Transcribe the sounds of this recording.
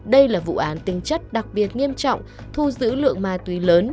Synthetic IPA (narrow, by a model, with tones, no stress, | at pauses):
ɗə˧jlaː˨˩vṵ˧˨ʔaː˨˦nt̪ï˨˦ŋ̟t͡ɕə˦˥t̚ɗa˨˩k̚ɓi˨˩ət̚ŋi˧əmt͡ɕɔ̰˧˨wŋ͡m | t̪ʰu˧zɨ̰˧˥lɨ̰˧˨əŋmaː˨˩jt̪wi˨˦ləː˨˦n